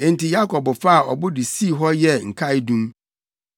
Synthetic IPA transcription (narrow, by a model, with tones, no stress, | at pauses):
ẽ˨n˨ti˨ja˦kʰɔ˨bʊ˨fa˦a˨ʔɔ˨bʊ˦dɪ˨si˦˨ɦɔ˦jɛ˦ŋ̩˨kʰa˦ɪ˦dũ˦m